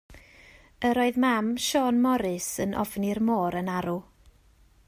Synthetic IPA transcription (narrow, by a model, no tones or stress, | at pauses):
əɾoːɨðmamʃɔnmɔɾɨsənʔɔ̰vnirmoːɾənaɾu